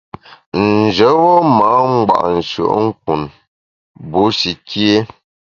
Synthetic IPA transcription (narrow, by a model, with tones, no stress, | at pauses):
n̩˨d͡ʒə˨˦wɔ˦ma˨˦ŋ˦ɡ͡ba̰˨ʔn̩˨sṵ˨ʔŋ̩˦k̚u˨n | bu˨˦si˨ki˦e˦